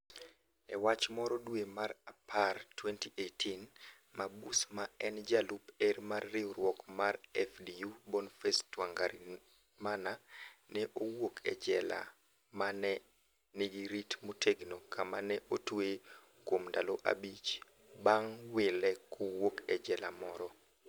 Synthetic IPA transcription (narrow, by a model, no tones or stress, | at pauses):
ɛ̰wat͡ʃmɔɾɔdwemaɾapʰartwɛntiʔetʰin | mabusmaɛnd͡ʒalupɛrmarːɪwɾwɔkmarɛfdijubonfɛstwaŋɡaɾi | mananɛʔowokʰɛ̰d͡ʒɛla̰ | manɛ | niɡiɾitmotʰeɡnokʰamanɛʔotwe | kwomndaloʔa̰bit͡ʃ | baŋwɪlɛkʰowokɛd͡ʒɛla̰mɔɾɔ